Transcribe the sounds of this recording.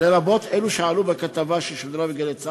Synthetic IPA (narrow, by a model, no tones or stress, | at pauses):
leɾabo̞t̪eluʃealubekat̪avaʃeʃod̪ɾabeɡalet͡sa